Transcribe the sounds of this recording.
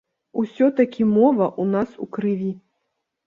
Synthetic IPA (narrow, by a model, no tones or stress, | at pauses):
usʲɔt̪ɐkʲimɔvɐʔunasukɾɨvʲi